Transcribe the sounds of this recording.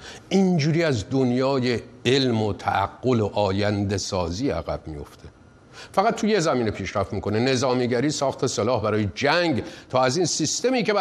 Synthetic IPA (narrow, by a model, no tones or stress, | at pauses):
ʔind͡ʒuːɾiːæzd̪onjɒːje̞elmot̪ʰæʔæ̰ɡːo̞loʔɒːjænd̪e̞sɒːziːæ̰ɣæb̥mḭjo̞̰ft̪ʰe | fæɣæt̪̚ʰːujezæmiːnepʰiːʃɾæft̪miːkʰo̞nene̞zɒːmiːɡæɾiːsɒːxt̪ʰe̞selɒːhbæɾɒːjed͡ʒæŋɡt̪ʰɒːæziːnsist̪e̞miːke̞